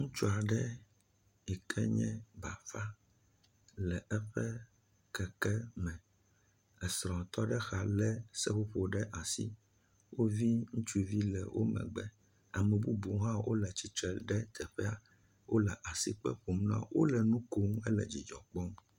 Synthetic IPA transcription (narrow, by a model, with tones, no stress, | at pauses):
ŋũ˦t͡ʃu˦a˨ɖɛ˦ | i˨kʰɛ̰˦ɲɛ̃˦ba̰˨fa˦ | lɛ˨ɛ˦ɸɛ˦ | kɛ˨kɛ˦mɛ̃˨ | ɛ˨sɾɔ̃˨t̪ɔ˦ɖɛ˦xa˨lɛ˦sɛ˦ɸo˦ɸo˨ɖɛ˦ʔa˨sḭ˦ | wo˦vi˦ŋũ˦t͡ʃu˦vi˦lɛ̰˨wʔo̰˦mɛ̰̃˨ɡ͡bɛ̰˦ | a˨mɛ̃˨bu˦bu˨˦ɦã˦wʔo̰˦lɛ˨t͡ɕi˦t͡ʃɾɛ˨ɖɛ˦t̪ʰɛ˨ɸɛ˦a˨ | wo˦lɛ˨ʔa˨si˦k͡pɛ̰˦ɸo˨mnã̰˦˨wʔo̰˦lɛ˨nũ˦ko˦ŋ˦ɛ˦lɛ̰˨d͡ʑi˨d͡ʒɔ˨k͡pɔ˦m